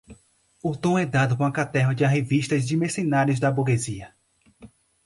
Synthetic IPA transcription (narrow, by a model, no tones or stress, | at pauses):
ʊt̪õɛd̪ad̪ʊkõɐkat̪ɛɦɐd͡ʒɪɐɦeviʃt̪ɐzd͡ʒɪmesenaɾjʊzd̪ɐbuɾɡeziɐ